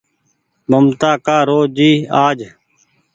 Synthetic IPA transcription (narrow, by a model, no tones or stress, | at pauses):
bəmt̪aːkaːɾoːd͡ʒiːaːd͡ʒ